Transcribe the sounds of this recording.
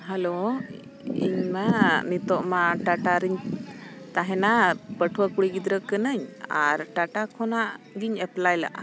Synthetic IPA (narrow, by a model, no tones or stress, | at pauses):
ɦalo | ḭɲmanit̪ɔʔmaʈaʈaɾiɲ | t̪aɦɛnapəʈʰwəkuɽiɡid̪ɾəkənəɲa̰ɾʈaʈakʰɔnaʔ | ɡiɲɛplajla̰ʔa̰